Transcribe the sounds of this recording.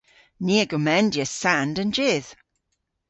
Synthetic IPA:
niːəɡʊmɛndjəsandənd͡ʒɪð̥

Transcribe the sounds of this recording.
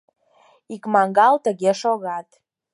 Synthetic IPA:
ikmɑŋɡɑlt̪əɣeʃoɣɑt̪

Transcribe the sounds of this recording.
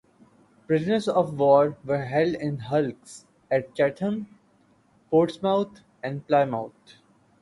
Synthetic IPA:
pɾɪznəsɔʋʋɔːɾʋəɾɦɛlɖɪ̃nɦʌlks | ɛʈ̚t͡ʃæʈʰə̃n | poːʈsmaʊt̪ʰ | ɛ̃ɳɖplaɪmaʊt̪

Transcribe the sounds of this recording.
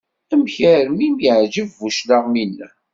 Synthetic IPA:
æmçəɾmimjəʕd͡ʒəvːuʃlaʁminːæ

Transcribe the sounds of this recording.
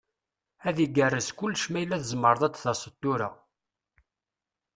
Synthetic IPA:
æðiɡərːəskʊlːʃmæjlːæθəzmːəɾˤðˤæd̪θɑsˤət̪ːuɾa̰

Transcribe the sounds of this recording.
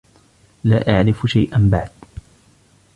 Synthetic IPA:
laːʔaʕɾɪfʃajʔambaʕd̪

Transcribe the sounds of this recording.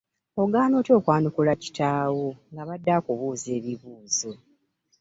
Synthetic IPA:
o̞ɡaːno̞ːto̞ːkwaːnukulaci̥tʰaːwoŋɡaβadːaːkuβuːze̞ːβiβuːzo

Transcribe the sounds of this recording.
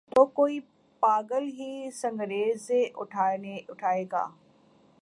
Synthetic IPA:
t̪oːkoːi | paːɡəlɦisɐ̃ŋɡɾeːzeʔʊʈʰaneʊʈʰaːeːɡa̰ː

